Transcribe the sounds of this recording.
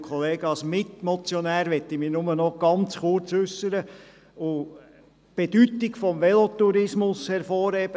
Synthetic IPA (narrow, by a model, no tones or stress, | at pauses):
kʰɔleːɡəɑsmɪt̪mɔt͡sjɔnæːɾʋɛt̪ːimiːnʊmənɔɡ̥ɑnt͡sχʊɾt͡sʉsːəɾə | ʊ | b̥edyt̪ːɪkfɔmʋɛlot̪uɾɪsmʊshɛɾfɔːɾheb̥ə